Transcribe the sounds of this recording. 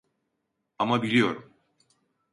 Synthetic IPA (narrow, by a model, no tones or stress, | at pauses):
amabilʲijo̞̰ɾum